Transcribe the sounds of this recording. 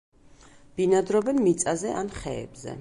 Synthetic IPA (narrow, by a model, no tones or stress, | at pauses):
b̥inad̪ɾɔbɛnmit̪sʼazɛʔanχɛ̰ɛ̰bzɛ̰